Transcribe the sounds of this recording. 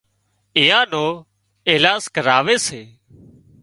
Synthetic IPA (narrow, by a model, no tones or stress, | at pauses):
ɪːãːnoː | ɪɦlaːskəɾaːʋeːseː